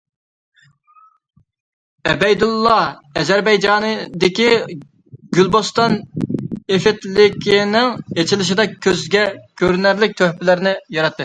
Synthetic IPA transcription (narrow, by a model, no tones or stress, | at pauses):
ɛbɛjd̪ulˠːɑɛzæɾbɛjd͡ʒɑːnɨd̪ɪkʲi | ɡʲylbost̪ɑn | efɪt̪lɪkʲʰinɪŋet͡ʃʰilɪʃ̬ɪd̪ɛːøzɡʲɛkʲʰøɾnæɾlɪk̚ʲt̪ʰøhpɪlɪɾɪnɪjɑɾɑt̪ʰːɨ